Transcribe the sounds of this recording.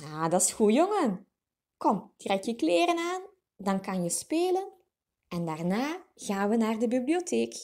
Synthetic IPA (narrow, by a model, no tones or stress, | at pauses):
aːdɑsxujɔŋən | kɔmdrɛjkjəkleːɾənaːn | dɑnkɑnjəspeːlən | ɛndaːrnaːɣ̥aːnʋənaːrdəbiblioteːk